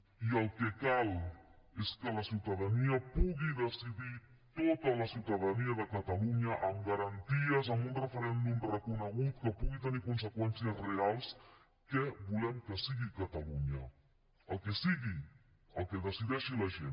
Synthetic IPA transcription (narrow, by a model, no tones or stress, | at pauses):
iəlˠkɛkaleskələsiwt̪əðəniəpuɣiðəsiði | t̪ot̪ələsiwt̪əðəniəðəkət̪əluɲəʔəmɡəɾənt̪iəzəmbunrəfəɾɛnd̪umrəkunəɣut̪kəpuɣit̪ənikunsəkwɛnsiəzrealˠs | kɛbulɛmkəsiɣikət̪əluɲə | əlˠkɛsiɣi | əlˠkɛðəsiðɛʃiləʒen